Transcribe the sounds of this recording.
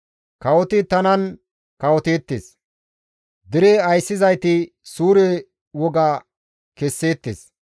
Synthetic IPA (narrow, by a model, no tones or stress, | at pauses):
kɐwɔt̪ɪt̪ɐnɐn | kɐwɔt̪eːt̪ːḛs | d̪ɪɾɛɐjsːɪzɐjt̪ɪ | suːɾɛ | wɔɡɐ | kɛsːeːt̪ːḛːs